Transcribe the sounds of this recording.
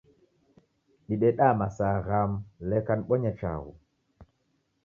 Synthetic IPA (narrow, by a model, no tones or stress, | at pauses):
ɗiɗɛɗamasaɣamlɛkanɓɔɲat͡ʃa̰ɣṵ